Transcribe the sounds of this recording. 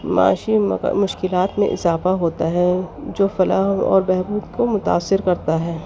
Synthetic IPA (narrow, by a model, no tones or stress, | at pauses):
ma̰ːʃḭmʊʃkɪlaːt̪mḛ̃ʔɪ̰zaːfaɦoːt̪aɦɛd͡ʒoːfɐlaːɦnɔ̰ːɾbɛɦbuːd̪komʊt̪a̰ːsːɪɾkɐɾt̪aɦɛː